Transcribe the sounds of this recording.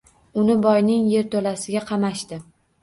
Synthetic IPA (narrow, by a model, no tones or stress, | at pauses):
ʊnɪbɒjnɪŋje̞ɾt̪ʰolasɪɡʲaqʰɑmaʃt̪ɪ